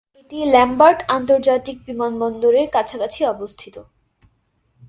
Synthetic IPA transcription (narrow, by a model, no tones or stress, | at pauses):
eʈilɛmbaɾʈant̪oɾd͡ʑat̪ik̚bimanbɔnd̪oɾeɾkat͡ɕʰakat͡ɕʰiɔbost̪ʰit̪o